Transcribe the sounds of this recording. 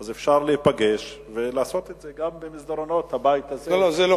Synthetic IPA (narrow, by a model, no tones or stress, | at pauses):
azefʃaʁleipaɡeʃvelaːso̞t̪et̪zeɡambemisd̪aɾono̞t̪habajit̪azelozelo